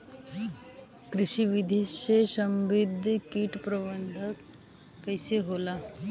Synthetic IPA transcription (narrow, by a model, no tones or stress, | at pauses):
kɾiɕiʋid̪ʱiɕeɕəmbid̪ʱəkiːʈpɾəbənd̪ʱəkː | əjseɦola